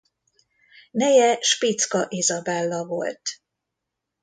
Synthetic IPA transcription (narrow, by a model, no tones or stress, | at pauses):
nɛjɛʃpit̪skɒʔezɒbɛlːɒvo̞̰lt̪